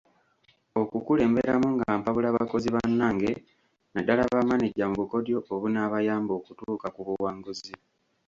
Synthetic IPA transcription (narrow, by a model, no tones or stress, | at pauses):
o̞kukule̞ːmbe̞ɾamuŋɡaːmpaβulaːβako̞ziβanːaːŋɡe̞ | nadːalaβamaniɟːamuβuko̞djo̞ʔːβunaβajaːmbo̞ːkutuːkakuβuwaːŋɡuzi